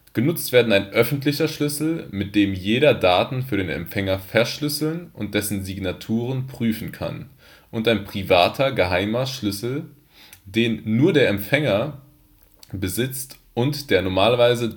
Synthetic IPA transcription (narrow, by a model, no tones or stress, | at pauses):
ɡ̥ənʊt͡stv̥eːɐdn̩aɪnʔœfn̩tlɪçɐʃlʏsl̩mɪt̚d̥eːmjeːɾɐdaːtn̩fyːɐɾeːnɛ̰mfɛŋɐfɛɐʃlʏsl̩nʔʊnt̚d̥ɛsn̩ziɡnatʰuːʁ̞ənpʁ̥yːfn̩kʰa̰n | ʔʊntaɪnpʁ̥ivaːtʰɐɡəɦaɪmɐʃlʏsl̩ | deːnːuːɐdeːɐɛmfɛŋɐ | bəzɪt͡st | ʔʊntd̥eːɐnɔɐmaːlvaɪzə